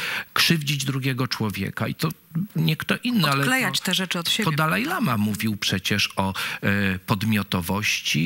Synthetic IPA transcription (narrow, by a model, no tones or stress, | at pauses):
kʂɘvd͡ʑid͡ʑd̪ɾuɡʲjɛɡɔt͡ʂwɔvʲjɛ̰kait̪ɔɲɛkt̪ɔʔinːɨalɛlɛjat͡ɕt̪ɛʐɛt͡ʂɨɔt̪ebɔjd̪alajlamamuvʲiwpʂɛt͡ɕɛʂɔ | pɔd̪mʲjɔt̪ɔvɔɕt͡ɕi